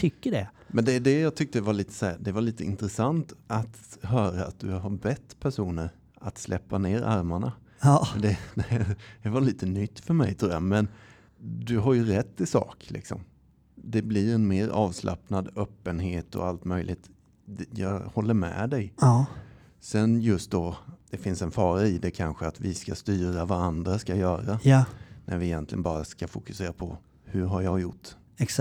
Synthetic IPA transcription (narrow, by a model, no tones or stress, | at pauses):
t̪ʰʏkːəɖɛ | mɛnd̪ɛɖ̪ɛjɑːɡ̚t̪ʰʏk̚t̪əvaɭiːt̪ə̥sæːɾd̪ɛvaɭiːt̪əɪnt̪ɾɛsant̪at̪ɦœːɾaat̪̚d̪ɵɦaɾbɛt̪ːpʰæʂuːnəɾ | at̪slʔɛpːaneːɾʔaɾmaɳa | d̪ɛd̪ɛd̪̥ɛvaɭiːt̪ənʏt̪ːfœɾmɛ̰jt̪ʰɾuːamɛn | d̪ɵɦaɾjɵɾɛt̪ːɪsɑ̰ːklʔɪ̰ksɔ̰m | d̪ɛblɪɾɛnmeːɾɑːvslʔa̰pnad̪œːpːənɦeːt̪ɔ̰alt̪mœjlʔɪ̰ɡt̪ | jɑːhɔlːəɾmɛ̰d̪ɛj | sɛnjɵst̪̚d̪ɔd̪̥ɛfɪnsɛnfɑːɾaɪd̪ɛkʰanɧəat̪vɪskast̪yːɾavaɾand̪ɾaskajœːɾanʔæɾvɪjɛnt̪lɪ̰ənbɑːɾaskafʊkɵ̥seːɾapʰɔ | hɵɾɦaɾjɑɡjʊʈː